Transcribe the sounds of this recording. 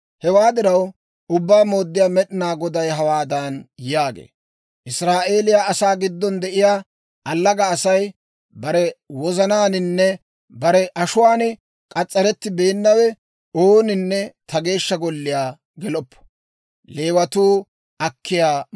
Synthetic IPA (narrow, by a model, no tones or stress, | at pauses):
hɛwaːd̪ɪɾɐw | ʊbːaːmo̞ːd̪ːɪjaːmɛɗɪnaːɡɔd̪ɐjɦɐwaːd̪ɐnjaːɡḛː | ʔɪsɾaːʔe̞ːlɪjaʔɐsaːɡɪd̪ːɔnd̪ɛʔɪjaː | ɐlːɐɡɐːsɐj | bɐɾɛwɔzɐnaːnɪnːɛ | bɐɾɛʔɐʃʊwaːnɪ | kʼɐt͡sʼːɐɾɛt̪ːɪbe̞ːnːɐwɛ | oːnɪnːɛt̪ʰɐɡe̞ːʃːɐɡɔlːɪjaː | ɡɛlɔpːɔ̥ | le̞ːwɐt̪uː | ɐkʰːɪjaː